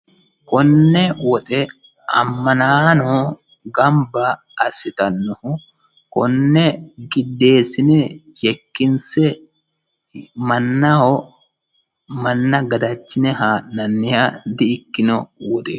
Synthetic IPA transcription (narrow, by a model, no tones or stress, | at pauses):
kɔnːɛwɔt̪ʼɛ | ɐ̰mːɐnaːnɔ | ɡɐmbɐː | sːɪt̪ɐnːɔhʊ | kɔnːɛɡɪd̪ːe̞ːsɪnɛjɛkːɪnsɛ | mɐnːɐɔ | mɐnːɐɡɐd̪ɐt͡ʃːɪnɛɦaːʔnɐnːɪjad̪ɪɪkːɪnɔwɔt̪ʼɛ